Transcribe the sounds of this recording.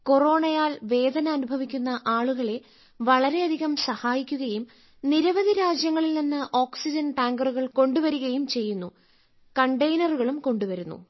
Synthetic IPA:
ko̞ro̞ːɳɐjaːlʋe̞ːd̪ʱɐnɐːnubʱɐʋikʲːunːɐʔaːɭuɣɐɭe̞ | ʋɐɭɐɾe̞ɐd̪ʱiɣɐmsɐhaːjikʲːuɣɐjum | niɾɐʋɐd̪ʱiɾaːd͡ʑjɐŋːɐɭilninːɨʔo̞ːksid͡ʑɐnʈaːŋɡɐruɣɐɭko̞ɳɖuʋɐɾuɣɐjumt͡ɕe̞jːunːu | kɐɳɖɐjnɐruɣɐɭumko̞ɳɖuʋɐɾunːṵ

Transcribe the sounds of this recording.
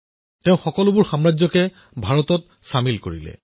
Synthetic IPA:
teʊ̃xɔkɔlʊbʊɹxamɹad͡ʑzɔkɛ | bʱaɹɔtɔt̚ | samilko̰ɹḭlɛ̰

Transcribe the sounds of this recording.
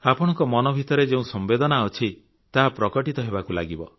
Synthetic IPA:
apɔɽ̃ɔŋkɔmɔnɔbʱit̪ɔɾed͡ʒeũsɔmbed̪ɔnaɔt͡ʃʰi | t̪aɦapɾɔkɔʈit̪ɔɦebakula̰ɡibɔ

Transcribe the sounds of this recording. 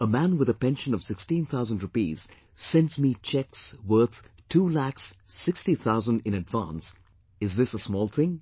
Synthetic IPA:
əmæ̃nwɪðəpɛ̃nʃə̃nʌv̥sɪkstĩnt̪ʰaʊzə̃n̩dɹʊpiz̥ | sɛ̃nsmit͡ʃʰɛkswə˞t̪ʰtʰulæksːɪkstiθʰaʊzə̃ndɪ̃nɨdvãns | ɪzðɪsəsmɔːlˠθɪ̃ŋ

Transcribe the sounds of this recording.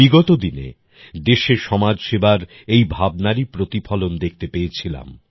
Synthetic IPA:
iɡɔt̪od̪inḛ | d̪eʃeʃɔmad͡ʑʃebaɾ | ejbʱab̚naɾipɾot̪ifʰɔlond̪ek̚ʰt̪epeet͡ɕʰila̰m

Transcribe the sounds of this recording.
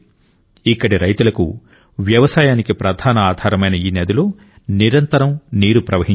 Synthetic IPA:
ikːɐɽiɾɐjt̪ulɐkṵ | ʋjɐʋɐsaːjaːnikipɾɐd̪ʱaːnɐaːd̪ʱaːɾɐmɐjnɐiːnɛːd̪uloː | niɾɐnt̪ɐɾɐmniːɾupɾɐʋɐɦiɲ

